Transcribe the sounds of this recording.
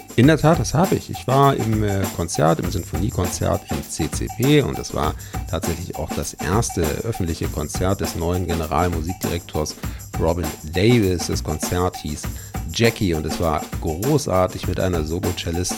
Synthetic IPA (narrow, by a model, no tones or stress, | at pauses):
ʔɪndeːɐtʰaːt̚d̥ashaːbəɪ̰çɪ̰çv̥aːɐɪ̰mkʰɔnt͡sɛɐtɪmzʏnfoniːkʰɔnt͡sɛ̰ɐtʰɪmt͡seːt͡sḛːpʰeːʊ̰ntda̰sv̥a̰ːɐtʰaːtz̥ɛçlɪça̰ʊxd̥asʔḛːɐstəʔœfn̩tlɪçəkʰɔnt͡sɛɐt̚d̥ɛsnɔʏənɡenəʁa̰ːlmuziːk̚d̥iʁɛk̚tʰoːɐsʁɔbɪndeɪvɪsd̥ɛskʰɔnt͡sɛɐthiːsd͡ʒɛkiʊntɛsv̥a̰ːɐɡ̥ʁoːsʔaːɐtɪçmɪtʔa̰ɪnɐzoːlot͡ʃɛlɪst